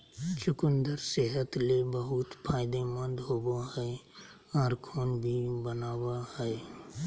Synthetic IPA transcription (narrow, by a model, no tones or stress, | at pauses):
t͡ʃʰʊkʊ̃nd̪əɾseːɦət̪lebəɦʊt̪pʰaːɪd̪emə̃nd̪ɦoːboɦɛe | aːɾkʰoːnbʱibənaːwahɛe